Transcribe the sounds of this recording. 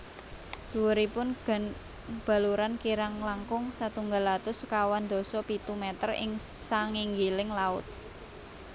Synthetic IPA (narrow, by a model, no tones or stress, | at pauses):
d̪̥uwəɾipʊnɡ | b̥a̤luɾankiɾaŋlaŋkʊŋsat̪uŋɡalat̪ʊskawand̪̥ɔ̤sɔpit̪umɛt̪ərɪ̰ŋsaŋiŋɡilɪŋlaʊ̰t̪̚